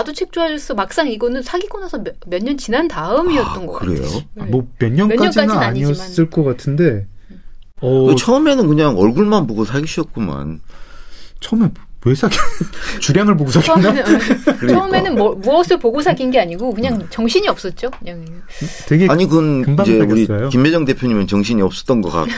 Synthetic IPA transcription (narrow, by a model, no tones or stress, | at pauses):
adot͡ɕʰek̚t͡ɕ͈oɦad͡ʑʌs͈ʰʌmak̚s͈aŋiɡʌnɯnsʰaɡiɡonasʰʌmjʌɲːʌnt͡ɕinantaɯmiʌt̚t͈ʌnɡʌ̰kɯɾḛjo̰mʌmjʌnɲʌnʌɲk͈aɲʌnd͡ʑik͈aninnaɲiʌs͈ɯɭk͈ʌkatʰɯnde̞ | ʌɯt͡ɕʰʌɯme̞nɯnkɯɲaŋʌ̰ɭɡuɭmanpoɡosʰaɡiɕʰʌt̚k͈uma̰n | t͡ɕʰʌɯmeesʰaɡʰit͡ɕuɾjaŋɯɭpoɡosʰaɡankɯɾt͡ɕʰʌmenɯnbuʌsʰɯɭpoɡosʰaɡinɡe̞aɲiɡokɯɲaŋt͡ɕʌŋɕʰiɲiʌp̚s͈ʌt̚t͡ɕ͈okɯɲaŋ | tweɡeaɲikɯnɯmbad͡ʑeauɾikajokimːed͡ʑʌŋde̞pʰjoɲimɯnt͡ɕʌŋɕʰiɲiʌp̚s͈ʌ̥t͈ʌnɡʌk͈a̰